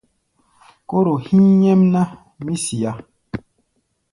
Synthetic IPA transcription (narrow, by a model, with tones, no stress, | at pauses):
ko˦ɾo˨hi˦ɲɛ˦mna˦ | mi˦si˨a˦